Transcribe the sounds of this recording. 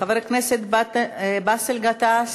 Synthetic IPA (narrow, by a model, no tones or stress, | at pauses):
aveɾkneset̪bat̪baselɡat̪as